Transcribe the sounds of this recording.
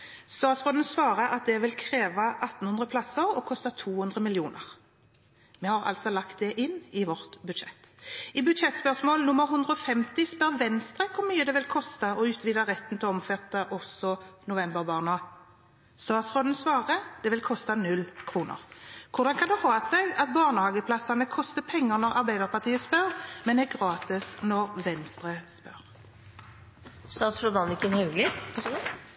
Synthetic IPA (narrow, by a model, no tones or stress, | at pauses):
st̪ɑːt̪sʁoːd̪n̩sʋɑːʁəʔɑt̪̚d̪ɛʋɪlkʰʁeːʋɑʔɑt̪ːn̩hʉnd̪ʁəpʰlɑsːəʁɔkʰɔst̪ɑt̪ʰuːhʉnd̪ʁəmɪljuːnə̰ʁ | mɛhɑʁɑ̰lt̪sɔlɑkt̪̚d̪ɛʔɪnːɪʋɔʁt̪bʉd̪ʃɛ̰t̪ːɪbʉd̪ʃɛt̪spœʁsmoːlnʊmːəʁɦʉnd̪ʁəɔfɛmt̪ɪspœʁʋɛnst̪ɾəkʰʊʁmyːəd̪ɛʋɪlkʰɔst̪ɑɔʉːt̪ʰʋiːd̪əʁɛt̪ːn̩t̪ɪɔɔmfɛt̪ːəʔɔsɔnʊʋɛmbəʁbɑːʁnɔ | st̪ɑːt̪sʁoːd̪n̩sʋɑːʁəd̪̥ɛʋɪlkʰɔst̪ɑnʉlːkʰɾuːnə̰ʁkʰʊʁd̪ɑnkʰɑnd̪ɛhɑːɑsɛɡɑt̪̚bɑːʁnəhɑːɡəpʰlɑsɑnəkʰɔst̪əpʰɛŋːəɾnɔʁɑɾbæɪd̪əʁpʰɑʁt̪ʰiːəspœɾmɛnd̪ɛɡɾɑːt̪ɪsnɔʁʋɛnst̪ɾəspœ̰ʁ | st̪ɑːt̪sɾɔd̪ɑnɪkːənhʉɡlɪ